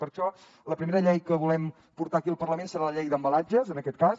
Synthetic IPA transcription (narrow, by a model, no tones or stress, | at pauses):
pəɾʃɔ | ləpɾimeɾəʎɛjkəβulɛm | puɾt̪aːkiəlˠpərləmensəɾaləʎɛjd̪əmbəlad͡ʒəzənəkɛt̪̚kas